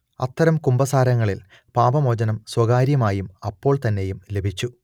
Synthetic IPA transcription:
ɐt̪ːɐɾɐmkumbɐsaːɾɐŋːɐɭil | paːbɐmoːd͡ʑɐnɐmswɐɡaːɾjɐmaːjumɐpːo̞ːɭt̪ɐnːe̞jumle̞bʱit͡ɕːu

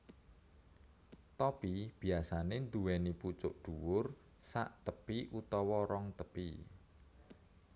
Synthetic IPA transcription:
t̪ɔpib̥i̤asanend̪uwɛniput͡ʃʊ̰ʔɖ̪̥uwʊr | sa̰ʔt̪əpiʔut̪ɔwɔɾɔŋt̪əpi

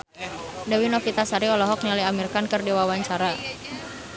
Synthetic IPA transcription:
dawinɔfit̪asaɾiɔlɔɦɔk̚nilaamirkankɨrdiwawaɲt͡ʃaɾa

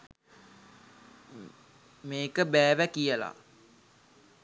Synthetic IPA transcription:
meːkəbæːʋækijəla̰

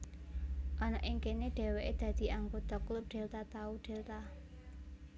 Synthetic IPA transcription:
ʔanaʔɪŋkeneɖ̪̥ɛ̤weʔed̪̥ä̤d̪̥i̤aŋɡot̪ɔklʊp̚ɖ̪̥ɛ̤lt̪at̪auɖ̪̥ɛ̤lt̪a

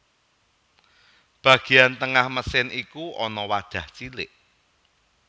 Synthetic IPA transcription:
b̥ä̤ɡ̥e̤ant̪əŋahməsɪnʔikuʔɔnɔwḁʒ̥ä̤ht͡ʃilɪʔ

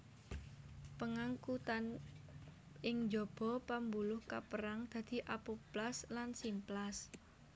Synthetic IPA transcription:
pəŋaŋkut̪an | ʔɪŋd͡ʒɔb̥ɔ̤pambulʊhkapəɾaŋd̪̥ä̤d̪̥i̤ʔapuplaslansimplas

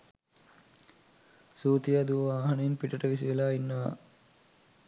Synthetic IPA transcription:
suːt̪ijaːd̪uʋɐʋaːɦɐnəinpiʈəʈəʋisiʋelaːinːɐʋa̰

